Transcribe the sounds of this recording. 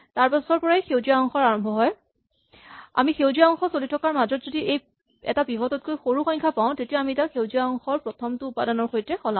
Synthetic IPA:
taɹpɔsɔɹpɔɹaejxewziaɔŋxɔɹaɹɔmbʱɔɦɔj | a̰mixewziaɔŋxɔsolitʰɔkaɹmazɔtzodiʔej | ɛ̰tabibʱɔtɔt̚kojxoɹuxɔɲkʰapaʊ̃tetijaamiɛtaxewziaɔŋxɔɹpɹɔtʰɔmtʊːpadanɔɹxojtɹɛxɔlã

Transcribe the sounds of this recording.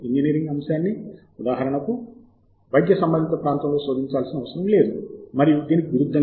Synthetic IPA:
ind͡ʒiniːɾiŋɡɐmɐsjaːnːi | ud̪aːɦɐɾɐɳɐku | bɐjɡjɐsɐmbɐnd̪ʱit̪ɐpɾaːnt̪ɐmlo̞ːso̞ːd̪ʱiɲt͡ʃaːlsinɐʋɐsɐɾɐmle̞ːd̪umɐɾijud̪iːnikiɡuɾud̪ʱːɐ

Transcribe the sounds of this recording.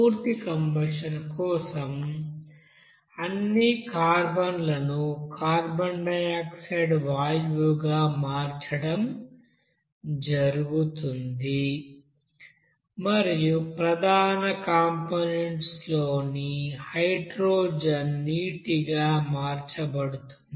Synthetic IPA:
puːɾt̪ikɐmbɐʂɐnkɔːsɐm | ɐnːikaːɾbɐnlɐnukaːɾbɐɳɖɐjaːkseɖʋaːjʋuɡaːmaːɾt͡ʃɐɽɐm | d͡ʒɐɾuɡut̪und̪i | mɐɾijupɾɐd̪ʱaːnɐkaːmponeɳʈsloːnihɐjʈɾoːd͡ʒɐnːiːʈiɡaːmaːɾt͡ʃɐbɐɽut̪und̪

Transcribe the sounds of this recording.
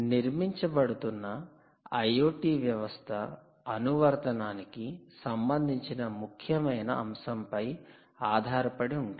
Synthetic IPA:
niɾmiɲt͡ʃɐbɐɽut̪unːɐ | ɐjoːʈiːʋjɐʋɐst̪ʰɐː | nuʋɐɾt̪ɐnaːnikisɐmbɐnd̪ʱiɲt͡ʃinɐmukʰjɐmɐjnɐ̰ʔɐmsɐmpɐj | aːd̪ʱaːɾɐpɐɽiuɳɖi

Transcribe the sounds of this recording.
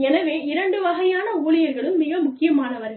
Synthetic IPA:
ɛnɐʋeːɪɾɐɳɖɯʋɐɣɐjaːnɐuːɭɪjɐɾɣɐɭɯmːɪɣɐmʊkːɪjɐmaːnɐʋɐɾɣɐ

